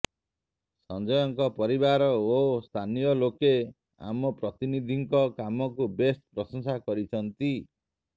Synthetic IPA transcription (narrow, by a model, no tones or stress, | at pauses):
sɔnd͡ʒɔjɔŋkɔpɔɾibaɾɔost̪ʰanijɔloke | a̰mɔpɾɔt̪inid̪ʱiŋkɔkamɔkubespɾɔsɔŋsakɔɾit͡ʃʰɔnt̪i